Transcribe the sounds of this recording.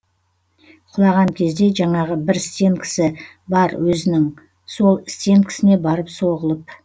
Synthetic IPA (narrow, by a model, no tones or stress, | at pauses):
qʰʊlˠɑʁɑŋkʲʰe̞zd̪e̞ʒɑɴɑʁəbɪɾst̪e̞ŋkʲʰɪ̥sɪ | bɑɾwɵzɪnɪŋ | so̞lˠɪst̪e̞ŋkʲʰɪ̥sɪne̞bɑɾəpso̞ʁəlˠəp̚